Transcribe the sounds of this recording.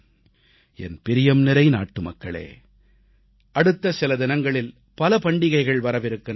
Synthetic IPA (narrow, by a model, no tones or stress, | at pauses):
ɛ̰npɪɾɪjɐmnɪɾɐɪna̰ːʈːɯmɐkːɐɭḛː | ʔɐɽɯt̪ːɐsɪlɐðɪnɐŋɡɐɭɪl | pɐlɐpɐɳɖɪɣɐɪɣɐɭʋɐɾɐʋɪɾɯkːɐn